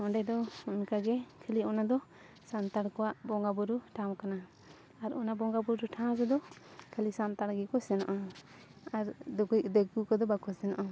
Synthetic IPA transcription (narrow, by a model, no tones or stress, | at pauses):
ɔɳɖɛd̪ɔunkaɡɛkʰəliɔnad̪ɔ | sant̪aɽkɔwaʔbɔŋɡabɔɾuʈʰãwkanaː | ɾɔ̰nabɔŋɡabɔɾuʈʰãwd͡ʒɛd̪ɔkʰəlisant̪aɽɡɛkɔsɛnaʔa | aɾd̪ɔɡujd̪ɛɡukɔd̪ɔbakɔsɛnaʔa